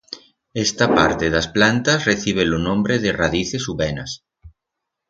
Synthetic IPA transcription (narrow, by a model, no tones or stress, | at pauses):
est̪apaɾt̪eðasplant̪ɐsreθiβ̞elonõmbɾeðeraðiθesuβɛnɐs